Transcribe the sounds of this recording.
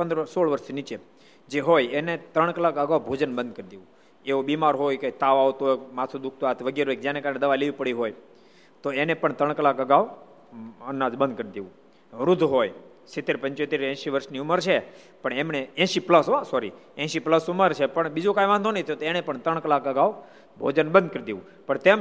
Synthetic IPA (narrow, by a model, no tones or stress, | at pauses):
pənd̪ɾsoɭʋəɾʃnit͡ʃe | d͡ʒeɦojenet̪ɾəɳ̃kəlakəɡaʋbʱod͡ʒənbənd̪̚kəɾid̪eʋũ | eobimaɾɦojket̪aʋaʋt̪oekmat̪ʰud̪ʊk̚ʰt̪oat̪ʰʋəɡeɾɦojk̚d͡ʒjanekaɾəɳed̪əʋaleʋipəɽiɦoj | t̪oenepəɳt̪ɾəɳkəlakəɡaʋ | ənːad͡ʒbə̃nd̪̚kəɾid̪eʋũ | ɾud̪ʱɦoj | sit̪ːeɾpə̃ɲt͡ʃot̪eɾɛ̃ʃiʋəɾʃniuməɾt͡ʃʰe | pəɳemneɛ̃ʃipləsɦosɔɾḭɛ̃ʃipləsuməɾt͡ʃʰepəɳbid͡ʒokajʋãnd̪ʱonəɦit̪ʰəjot̪oenepəɳt̪əɳkəlakəɡaʋ | bʱo̰d͡ʒənbə̃nd̪̚kəɾid̪eʋũ | pəɳt̪em